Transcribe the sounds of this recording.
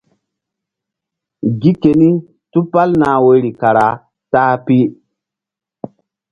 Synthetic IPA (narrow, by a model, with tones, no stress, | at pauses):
ɡi˦ke˨ni˦ | tu˦pa˦lnaː˨we˦ɾi˨ka˨ɾa˨ | taː˦pi˦